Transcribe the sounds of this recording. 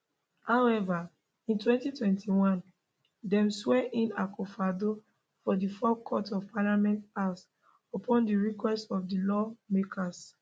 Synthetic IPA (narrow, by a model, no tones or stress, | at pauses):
hawɛva | ĩntwɛ̃ntitwɛ̃ntiwãn | dɛ̃mswɛʔĩnakofado | fɔdifɔkʰɔtɔv̥palamɛ̃ntas | opʰɔ̃ndiɹikwɛstɔfdilɔmekʰas